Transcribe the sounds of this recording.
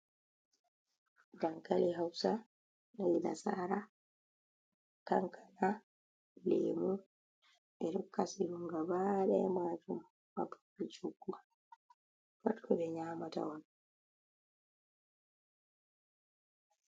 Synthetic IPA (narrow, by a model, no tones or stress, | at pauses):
daŋkaliɦawsa | najina̰saːɾa | kaŋkʰana | lḛːmu | ɛɗɔkːasiɾuŋɡabaːɗɛ̰maːd͡ʒum | ma̰buit͡ʃuɡːu | watkʰɔɓɛɲaːmata̰wɔn